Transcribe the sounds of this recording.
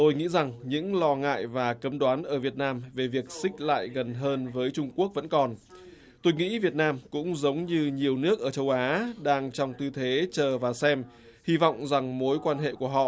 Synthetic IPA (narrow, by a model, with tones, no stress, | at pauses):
t̪o˧jŋḭ˧˥za˨˩ŋɲɨ̰˧˥ŋlɔ˧ŋa̰ː˧˨jvaː˨˩kə˨˦mɗwaː˨˦nʔəː˧˩vi˨˩ət̚naː˧mve˨˩vi˨˩ək̚sï˦˥k̟̚la̰ː˧˨jɣə˨˩nɦəː˧nvəː˨˦jt͡ɕʊ˧ŋ͡mku˦˥ək̚və̰˧˥nkɔ˨˩n | t̪o˧jŋḭ˧˥vi˨˩ət̚naː˧mkʊ̰˧˥ŋ͡mzə˨˦wŋ͡mɲɨ˧ɲi˨˩əwnɨ˦˥ək̚ʔəː˧˩t͡ɕə˧wʔaː˨˦ɗaː˧ŋt͡ɕɔ˧wŋ͡mt̪ɨ˧t̪ʰe˨˦t͡ɕəː˨˩vaː˨˩sɛ˧m | hi˧vɔ̰˧˨wŋ͡mza˨˩ŋmo˨˦jkwaː˧nɦḛ˧˨ku˧˩əɦɔ̰˧˨